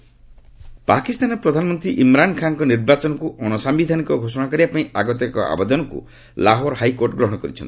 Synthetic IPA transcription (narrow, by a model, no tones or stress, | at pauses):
pakist̪anɔpɾɔd̪ʱanɔmɔnt̪ɾiʔimɾankʰaŋkɔniɾbat͡ʃɔnɔkuʔɔñɔsambid̪ʱanikɔɡʱosɔɽ̃akɔɾiapaĩaɡɔt̪ɔkɔ̰ʔa̰bed̪ɔnɔkṵ | laɦɔɾhajkoɾʈɔɡɾɔɦɔ̃ɽ̃ɔkɔɾit͡ʃʰɔ̰nt̪i